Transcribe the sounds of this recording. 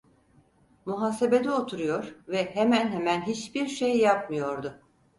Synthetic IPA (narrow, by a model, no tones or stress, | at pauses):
muɦaːse̞be̞d̪io̞t̪ʰuɾujo̞ɾvɛɦemænɦemænɦit͡ʃbiɾʃejːap̚mɯjo̞ɾd̪ʊ